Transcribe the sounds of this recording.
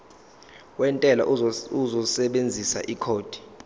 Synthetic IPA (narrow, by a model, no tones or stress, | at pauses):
wɛntʼɛla̰uzɔsɛɓend͡zʱisa̰ʔikʰoːd̥ʱi̥